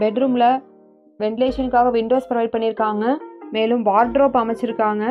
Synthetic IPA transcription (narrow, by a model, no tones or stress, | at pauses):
bɛɖɾuːmlɐ | ʋɛɳʈɪleːʂɐnɯkːaːɣɐʋɪɳɖoːspɾɐʋɐɪɖ̚pɐɳːɪɾɯkːaːŋɡɐmeːlɯmʋaːɾɖɾoːpɐmɐt͡ʃːɪɾɯkːaːŋɡɐ